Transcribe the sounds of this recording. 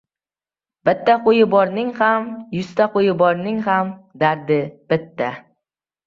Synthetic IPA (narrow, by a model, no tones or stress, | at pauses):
b̥ɪt̪ːaqojɪbɒɾnɪŋhamjʊst̪aqojɪbɒɾnɪŋhamd̪aɾd̪ɪb̥ɪt̪ːa